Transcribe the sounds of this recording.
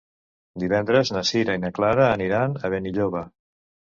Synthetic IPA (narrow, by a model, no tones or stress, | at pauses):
d̪iβɛnd̪ɾəznəsiɾəinəklaɾəːniɾanəβeniʎoβə